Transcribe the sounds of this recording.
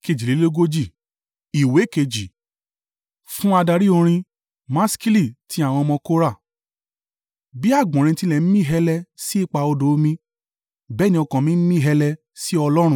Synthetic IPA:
ke˧d͡ʒi˨le˨˦o˦ɡo˦d͡ʒi˦˨ | i˨we˨˦ke˧d͡ʒi˨ | fũ˦a˧da˧ɾi˦o˧ɾ̃ĩ˧ | mã˦ski˦li˦˨ti˧˦a˦˨w̃ɔ̃˧mɔ̃˧ko˦ɾa˦˨ | bi˦a˦˨ɡ͡bɔ̃˨ɾ̃ĩ˧ti˧˦lɛ˨m̩˦mĩ˦˨ɦɛ˧lɛ˧si˦i˦˨k͡pa˧o˧do˨˦mĩ˧ | bɛ˦nĩ˧ɔ˧kã˨mĩ˦m̩˦mĩ˦ɦɛ˧lɛ˧ | si˦ɔ˧lɔ˦ɾ̃ũ˦˨

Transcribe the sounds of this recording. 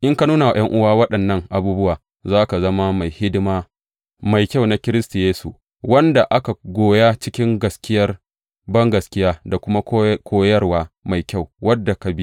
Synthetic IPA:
ʔɪ˦ŋka˦nuː˦na˨j̰ɐ˦ŋʔʊ˦waː˦wɐ˦ɗɐ˨nːɐ˦ŋʔa˨buː˦bʊ˦waː˨ | zaː˦ka˨zɐ˦ma˦ma˨jhɪ˦dɪ˦maː˦ | ma˨jkʲa˦wna˦kʲɪ˦ɾɪ˦stu˨jeː˦su˨ | wɐ˦nda˨ʔa˦ka˨ɡʷoː˨ja˦t͡ʃɪ˦kʲɪ˦ŋɡɐ˨skʲɪ˦jɐ˦r | bɐ˦ŋɡɐ˨skʲɪ˦jaː˦da˨kʷʊ˦ma˦kʰʷoː˦jɐ˦rwaː˦ma˨jkʲa˦˨wwɐ˦dːa˨ka˨bi˦

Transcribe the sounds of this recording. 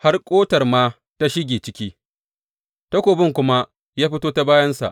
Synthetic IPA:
ha˦rkʷʼoː˦tɐ˨rmaː˦ | ta˦ʃɪ˦ɡʲeː˨t͡ʃɪ˦kʲiː˦ | ta˦kʷoː˨bɪ˦˨ŋkʷʊ˦ma˦ | jaː˦ɸɪ˦toː˦ta˦baː˦jɐ˦nsa̰˨ʔ

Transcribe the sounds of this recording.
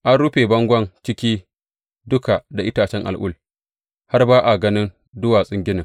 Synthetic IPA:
ʔa˦nɽʊ˦ɸe˨bɐ˦ŋɡʷɐ˦nt͡ʃɪ˦kʲiː˦ | dʊ˦ka˨da˨ʔɪ˦taː˨t͡ʃɛ˦ŋʔa˨lʔʊ̰˦l | ha˦rbaː˦ʔa˨ɡɐ˦nɪ˦n | dʊ˦waː˨sʼɪ˦ŋɡʲɪ˦nɪ˨ŋ

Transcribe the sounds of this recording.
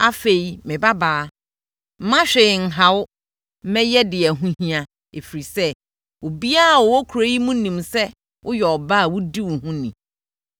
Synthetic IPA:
a˦fe˨i˨mɪ̃˨ba˦baː˨˦ | m̩˦mã˦ɕᶣɛ˨ɪ˨ŋ̩˨ɦa˨˦wʊ˦ | mɛ̃˦jɛ˦dɪ˨ɛ˨ɦũ˦hĩ˦ã˨ | e˨fi˨ɾi˨sɛ˦ | wo˨bi˦a˦a˨wɔ˨wɔ˦kʰu˨ɾe˦i˦mũ˦nĩ˨msɛ˦ | ʔʊ˦jɔ˨ɔ˨baː˦a˨wʊ˦di˦wʊ˨hũ˦nĩ˨

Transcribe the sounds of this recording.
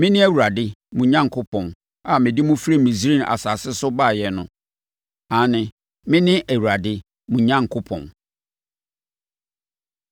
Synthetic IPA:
mɪ̃˦nɪ̃˦æ˦wu˨ɾa˨dɪ˦mũ˨ɲã˦ŋ˨kʰʊ˦pʰɔ̃˨n | a˨mɪ̃˨dɪ˦mũ˦fi˦ɾe˦mĩ˨si˨˦ɾĩ˦na̰˨sa˨sɪ˦sʊ˦ba˦˨jɛ˨nʊ̰̃˨ | ã˨˦nɪ̃˨ | mɪ̃˦nɪ̃˦ʔæ˨wu˨a˨dɪ˦ | mũ˨ɲã˦ŋ˨kʰʊ˦pʰɔ̰̃˨n

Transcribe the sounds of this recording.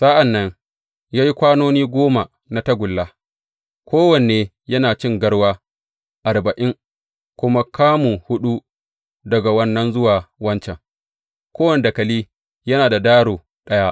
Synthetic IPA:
sa˦ʔa˨nːɐ˦ŋ | jaː˦ji˦kʷaː˦noː˦niː˦ɡʷoː˦ma˨ | na˨tɐ˦ɡʷʊ˨lːa˦ | kʷʰoː˦wɐ˨n˨eː˨ | jɐ˦naː˨t͡ʃɪ˦ŋɡɐ˦ɽwaː˦ | ʔa˨rbɐ˨ʔɪ˦ŋ | kʷʊ˦ma˦kʰaː˦mu˨hʊ˦ɗu˦ | dɐ˨ɡa˨wɐ˦nːɐ˦nzʊ˦waː˨wɐ˦nt͡ʃɛ˨ŋ | kʷoː˦wɐ˨ne˨da˨kɐ˨liː˦ | jɐ˦naː˨da˨daː˦ɽoː˨ | ɗɐ˦ja˦

